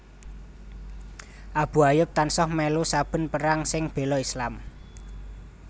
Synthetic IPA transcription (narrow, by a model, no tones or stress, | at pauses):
ʔab̥ṳajʊp̚t̪ansɔhmɛlusab̥ə̤npəɾaŋsɪŋb̥e̤lɔislam